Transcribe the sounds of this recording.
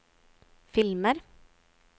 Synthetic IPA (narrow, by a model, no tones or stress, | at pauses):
fɪlməɾ